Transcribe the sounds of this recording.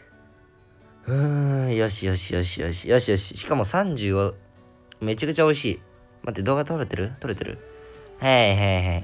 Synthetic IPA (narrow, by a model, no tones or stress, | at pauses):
ɯ̃joɕijo̞ɕijoɕijo̰ɕi̥joɕijoɕi̥ɕi̥kamo̞sãɲ̟d͡ʑɨːo | me̞t͡ɕakɯ̟t͡ɕao̞iɕiː | mʔat̪ːed̪o̞ːɡat̪oɾet̪eɾɯ̟t̪o̞ɾet̪e̞ɾɯ̰haiɦaiɦai